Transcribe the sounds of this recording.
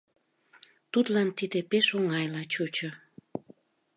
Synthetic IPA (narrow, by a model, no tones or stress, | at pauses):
t̪ut̪lɑnt̪id̪epeʃoŋɑjlɑt͡ɕut͡ɕo